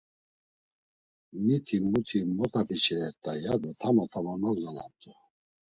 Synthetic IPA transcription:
mit̪ʰimut̪ʰimɔt̪ʰafit͡ʃiɾɛɾt̪ʼajad̪ɔt̪ʰamɔt̪ʰamɔnɔɡzala̰mt̪ʼu

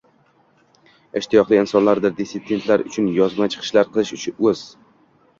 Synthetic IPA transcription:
ɪʃt̪ʰɪjɒqlˠɪɪnsɒnlaɾd̪ɪɾd̪ɪsɪd̪e̞nt̪ʰlaɾʊt͡ʃʰʊnjɒzmat͡ʃʰɨ̥qʰɨ̥ʃlaɾqʰɨlˠɪʃʊt͡ʃʰʊnɵz̥

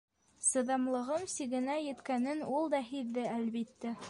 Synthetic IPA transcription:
sɤ̆ðɑmlˠɤ̆ʁɤmsiɡɘ̆næjɘ̆t̪kænɘnulˠd̪ɑɦiðːɘælβit̪ːæ

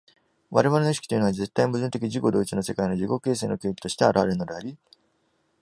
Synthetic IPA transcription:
βa̰ɾe̞βaɾe̞noɕi̥kʲi̥t̪oiɯ̟noβad͡ze̞t̪ːaimbɯ̟zɨ̃nt̪e̞kʲiʑikod̪o̞ːt͡ɕino̞se̞kaino̞d͡ʑiko̞ke̞ːse̞ːno̞kʲe̞ːikʲi̥t̪o̞ɕi̥t̪e̞aɾʔa̰βaɾenod̪e̞aɾʲi

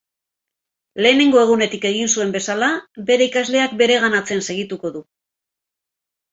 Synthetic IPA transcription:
le̞ːne̞ŋɡo̞e̞ɣ̞une̞t̪ike̞ɣ̞insue̞mbe̞salabe̞ɾe̞ikazle̞ak̚be̞ɾe̞ɣ̞anat͡se̞nse̞ɣ̞it̪uko̞ðu

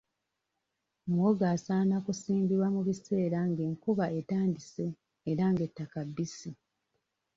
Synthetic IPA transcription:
mwoɡaːsaːnakusiːmbiɾwamuβise̞ːɾaŋɡe̞ːŋkuβaetaːndise̞ː | ɾaŋɡe̞tːakabːisi

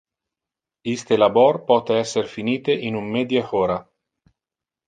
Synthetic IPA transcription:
ist̪elaborpɔːt̪eɛsːeɾfiniːt̪eʔinumːed̪jexoːɾa

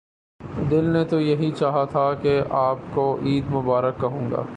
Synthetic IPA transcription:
d̪ɪlnet̪ojɐɦit͡ʃaːɦat̪ʰakeaːp̚koʔiːd̪mʊbaːɾəkːɐɦũːŋɡa̰ː

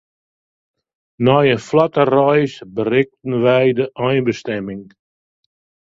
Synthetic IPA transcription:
nɔjənflatərɔjsbərɪk̚tən̩ʋɛjdəʔɔjnbəstɛmɪŋ

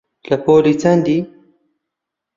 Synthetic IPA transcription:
lapoːɾit͡sand̪i

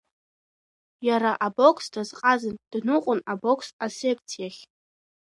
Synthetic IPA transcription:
jaɾaʔabo̞kʰsdazqʼazɨnd̥nɨqʷʼʊnabo̞kʰsasekʰt͡sʰijaχʲ

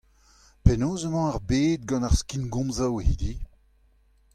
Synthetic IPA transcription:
penoːzəmɑ̃aʁbeːd̪̚ɡɑ̃naʁskinɡɔ̃mzawehidi

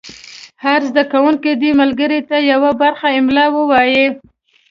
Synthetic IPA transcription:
haɾzd̪akawuŋkid̪imalɡəɾit̪ajawabaɾxaɪmlɑwəwɑji

